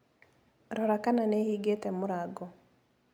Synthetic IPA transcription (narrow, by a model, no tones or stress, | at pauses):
ɾɔɾakananehiːɡetɛmoɾaɡɔ